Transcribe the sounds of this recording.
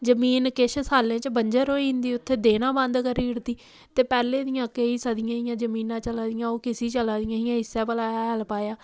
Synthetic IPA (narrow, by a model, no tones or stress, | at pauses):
d͡ʒəmiːnkɪʃsaːlːẽːt͡ʃbəɲd͡ʒəɾɦoːiɦɪ̃nd̪iːʊt̪ʰːeːd̪eːnãːbə̃nd̪kəɾiːʊɾt̪iː | t̪eːpɛːleːd̪ɪjãːkeiːsəd̪ɪjãːɦɪjãːd͡ʒəmiːnãːt͡ʃəlãːd̪ɪjãːoːkɪsiːt͡ʃəlãːd̪ɪjãːɦɪjãːɪsːɛːbəlaːɦəlpaːjaː